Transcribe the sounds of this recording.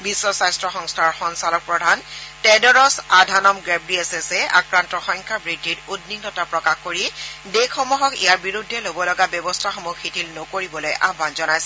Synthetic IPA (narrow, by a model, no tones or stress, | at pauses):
bisːɔsajstɹɔxɔŋstʰaɹxɔnsalɔk̚pɹɔdʱantɛdɔɹɔsadʱanɔmɡɹɛbɹiesesɛa̰kɹantɔxɔjŋkʰabɹidːiɹudniknɔtapɹɔkaxkoɹidekʰːɔmuɦɔkḭjaɹbiɹudʱːɛlobɔlɔɡabɔbɔstʰaxɔmukxitʰilnokoɹibɔlojʔa̰bbanzɔnajsɛ̥